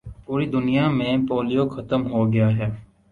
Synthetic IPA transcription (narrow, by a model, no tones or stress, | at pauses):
puːɾid̪ʊnijamẽpoːlijoxɐt̪əmɦoɡɪjaɦɛː